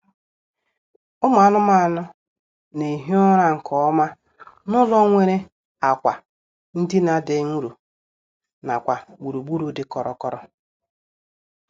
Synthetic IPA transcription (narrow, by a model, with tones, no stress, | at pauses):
ʊ˦ma˨a˨nʊ˦ma˦a˨nʊ˦ | ne˨ɦi˦ɔ˦ɾa˦ŋ̩˨kʰɔ˨˦ma˦ | nʊ˦lɔ˦ŋʷe˦ɾe˦ | a˨kʷa˨ | n̩˦dɪ˦na˨de˨ŋ̩˦ɾu˨ | na̰˨kʷa˨ɡ͡bu˨ɾu˨ɡ͡bu˦ɾu˨˦dɪ˨kɔ˨ɾɔ̰˨kɔ˦ɾɔ˦